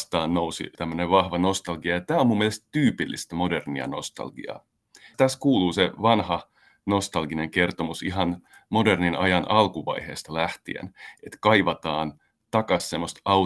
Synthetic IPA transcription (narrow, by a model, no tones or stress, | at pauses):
st̪ɑːnnousḭt̪æmːøneʋʋɑhʋɑno̞st̪ɑlɡiɑjɑt̪æːomumːielest̪t̪yːpilːḭst̪æmo̞derniɑ̰no̞̰st̪ɑ̰lɡḭɑ̰ | t̪æskuːluːseʋɑnhɑ | nost̪ɑlɡineŋke̞rt̪o̞musiɦɑn | mo̞de̞rninʔɑ̰jɑnʔɑlkuʋɑ̰jhe̞̰ːst̪ɑlæht̪ḭḛnet̪kɑijʋɑt̪ɑːn | t̪ɑkɑssemːost̪ɑ